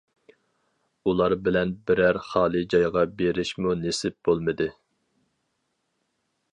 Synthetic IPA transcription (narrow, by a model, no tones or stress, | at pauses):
ulˠɑɾbɪlɛnbɪɾæɾχɑːlˠɨd͡ʒɑjʁɑbeɾɪʃmunesɪp̚b̥olˠmɨd̪ɨ